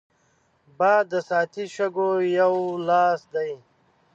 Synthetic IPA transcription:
baːd̪ːəsaːt̪ʰiʃɐɡojawlaːsd̪aj

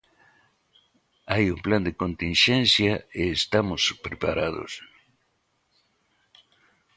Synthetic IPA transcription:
ajumpland̪ekõnt̪inʃẽnsjaeːst̪amʊspɾepaɾaðo̰s

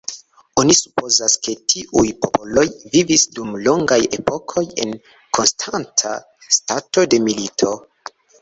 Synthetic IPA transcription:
onisu̥po̞zaske̞tʰiʔujpo̞polo̞jvivisdumlo̞ŋɡaje̞̰po̞kʰo̞je̞̰n | kʰo̞nstʰantʰa̰ | stato̞de̞militʰo̞

